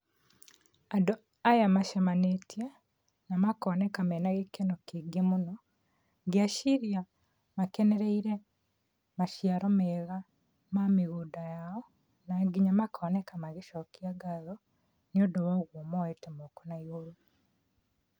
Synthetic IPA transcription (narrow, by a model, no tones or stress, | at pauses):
ado | ajamaʃamanetia | namakɔnɛkamɛnaɣekenɔkeɡemonɔ | ɡiaʃiɾja | makɛnɛɾɛiɾɛ | maʃjaɾɔmɛɣa | mameɣuːdajaɔ | naɡiɲamakʰɔnɛkamaɣeʃɔkiaɡaðɔ | neodowɔɣwomɔɛtɛmokonaiɣoɾu